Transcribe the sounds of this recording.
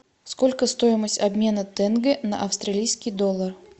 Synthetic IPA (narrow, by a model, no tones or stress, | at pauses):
skolʲkəst̪ojɪməsʲtʲɐbʲmʲe̞nət̪ɛnɡənɐ̰ʔɐfst̪ɾɐlʲijskʲijd̪olˠːər